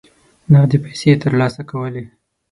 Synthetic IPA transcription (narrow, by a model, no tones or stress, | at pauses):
nad̪əpajset̪əɾlɑsakawəle